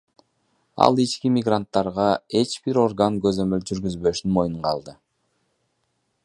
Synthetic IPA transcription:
ɑ̰lˠit͡ʃkimʲɪɡrant̪ːɑɾʁɑe̞t͡ʃbiɾo̞rɡaŋɡø̞zø̞mø̞ld͡ʒyɾɡyzbø̞ʃnmo̞juɴqɑlˠd̪ɯ

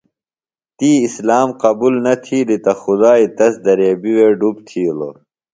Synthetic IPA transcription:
t̪iːislaːmqɐbuːlnɐt̪ʰiːlit̪ɐxud̪aːit̪ɐsd̪ɐɾeːbiweːɖupt̪ʰiːlo̰

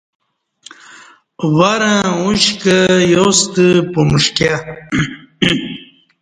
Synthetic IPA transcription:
waɾãuɕkəjost̪əpomuʂkja

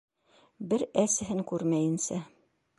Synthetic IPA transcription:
bɘɾæsɘ̆ɦɘŋkʉɾmæjɘ̆nsæ

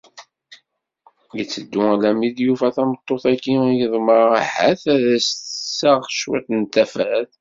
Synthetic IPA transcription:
jət͡sːəd̪ːʊlæmid̪jufæθæmət̪ˤːoθækːijəðˤməɾˤaħæ̰θæðæssæʁʃwæ̰θnt̪ːæfæθ

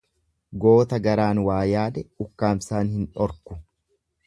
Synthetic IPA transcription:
ɡo̞ːt̪ɐɡɐɾaːnwaːjaːd̪ɛʊkːaːmsaːnhɪnᶑɔɾkʊ̥

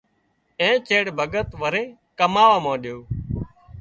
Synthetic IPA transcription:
ẽːt͡ʃeːɽbʱəɡət̪ʋəɾeː | kəmaːʋaːmãːɗɪjoː

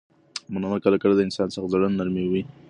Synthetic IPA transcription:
mananakəlakəlad̪əɪnsɑnsaxzaɽanːaɾmewi

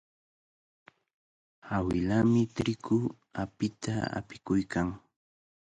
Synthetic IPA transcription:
awɪlamɪt̪ɾɪkʊ | apɪt̪aa̰pɪ̥kʊjkaŋ

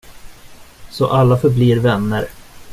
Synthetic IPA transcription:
sɔʔalːafœɾbliːɾvɛnːəɾ

